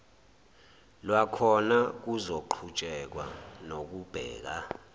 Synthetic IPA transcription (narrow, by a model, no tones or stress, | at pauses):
lwakʰɔnak̬uzoǃʰut͡ʃʼɛk̬wa̰nok̬ub̥ʱɛ̰ːk̬a